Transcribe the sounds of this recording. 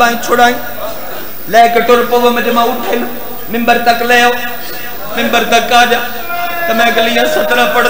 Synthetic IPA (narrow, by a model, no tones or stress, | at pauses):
aːĩt͡ʃʰoɽaːĩ | laːkʈʊɾpoʋəmɐɗɪmãʊʈʰen | mɪ̃mbəɾt̪ɐklɐja | mɪ̃mbəɾt̪ɐkːaːɗa | t̪ɐmɛ̃ːɡɐliːãsɐt̪ɾãːpɐɽ